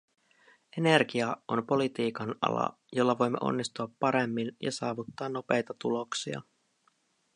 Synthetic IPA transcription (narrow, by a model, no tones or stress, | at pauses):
e̞ne̞rɡiɑʔo̞mpo̞lit̪iːkɑnɑ̰lɑ̰ | jo̞lːɑʋo̞jmːeʔo̞̰nːist̪uɑpːɑɾemːinjɑ̰sɑːʋut̪ːɑːnːo̞pe̞jt̪ɑt̪ulo̞ksiɑ̰